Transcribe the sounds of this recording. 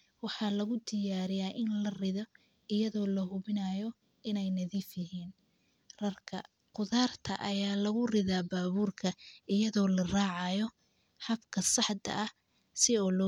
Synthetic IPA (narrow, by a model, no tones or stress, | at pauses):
wɑħɑːlɐɣʊd̪ɪjaːɾɪjaːʔɪnlɐrɪðɔ | ɪjɐðɔːlɐɦʊβɪnajɔ | ɪnɛjnɐðiːfjɐɦiːn | rɐrkʰɐ̰ | qʊðaːrt̪ʰɐ̰ʔɐjaːlɐɣʊrɪðaːbaːβuːrkʰɐɪjɐðɔːlɐraːʕɑjɔ | ħɐbkʰɐsɑħd̪ɐ̰ʔɐ | sɪɔːlɔ